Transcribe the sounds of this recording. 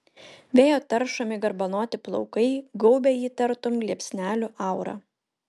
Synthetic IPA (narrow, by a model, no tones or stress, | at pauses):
ʋʲeːjoːt̪ɐɾʃɐmʲɪɡɐɾbɐnoːt̪ʲɪplˠɔ̰ʊkɐɪɡɔʊbʲɛjiːt̪ɐɾt̪omɡlʲiɛpʲsʲnʲæːlʲʊʔɑˑʊɾɑ̰ː